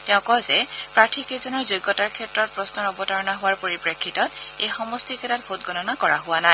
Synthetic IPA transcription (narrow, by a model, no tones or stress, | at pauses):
tɛʊ̃kɔzɛpɹaɹtʰikezɔnɔɹzojɡɔtaɹkʰɛtɹɔt̚pɹɔsnɔɹɔbɔtaɹɔnaɦʊwaɹpoɹipɹekʰːitɔtejxɔmɔstikɛtat̚bʱotɡɔnɔnakɔɹa̰ɦʊanaɪ